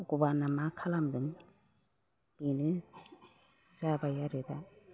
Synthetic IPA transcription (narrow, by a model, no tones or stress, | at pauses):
ɡubanamakʰalamd̪ɯŋ | binɯ | zabajaɾɯda